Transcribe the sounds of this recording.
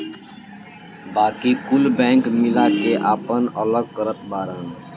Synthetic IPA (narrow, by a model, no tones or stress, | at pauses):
baːkikʊlbɛ̃ːŋkmɪlakeʔaːpənələɡ̚kəɾət̪baːɾən